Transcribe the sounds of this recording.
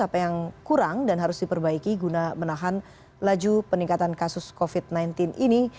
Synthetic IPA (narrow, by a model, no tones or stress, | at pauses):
apajaŋkuɾaŋdanɦaɾʊsdipərbaikiɡunamənaɦan | lad͡ʒupəniŋkat̪ankasʊskofit̪̚najnt̪ɪnʔini